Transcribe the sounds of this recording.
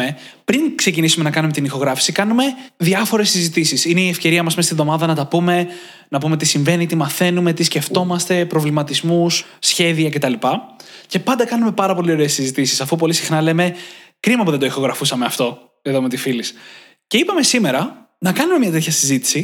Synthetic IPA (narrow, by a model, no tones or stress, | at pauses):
epɾiŋkse̞cinisume̞nɐkɐnume̞t̪inixo̞ɣɾɐfi̥sikɐnume̞ðiɐfo̞ɾe̞sizit̪isisineiefce̞ɾiɐmɐsmest̪inðo̞mɐðɐnɐt̪ɐpume̞ | nɐpume̞t̪isiɱve̞nit̪imɐθe̞nume̞t̪isce̞ft̪o̞mɐst̪e̞pɾo̞vlimɐt̪izmusːçe̞ðiɐce̞t̪ɐlipɐce̞pɐnd̪ɐkɐnume̞pɐɾɐpo̞lio̞ɾe̞ːsizit̪isisɐfup̬o̞lisixnɐle̞me̞kɾimɐpuðend̪oixo̞ɣɾɐfusɐme̞ɐft̪o̞ | eðome̞t̪ifilis | ce̞ipɐme̞sime̞ɾɐ | nɐkɐnume̞mɲɐt̪e̞t̪çɐsizit̪i̥si